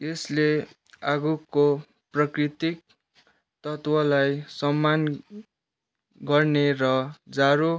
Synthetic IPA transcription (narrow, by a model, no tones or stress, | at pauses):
esle | aɡuko | prʌkrit̪ik̚ | t̪ʌt̪wʌlajsʌmːan | ɡʌrneɾʌd͡zaɾo